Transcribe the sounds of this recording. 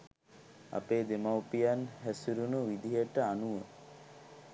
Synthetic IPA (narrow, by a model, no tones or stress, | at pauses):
a̰peːd̪emawpijanɦæsuɾunuʋid̪iɦəʈəanuʋə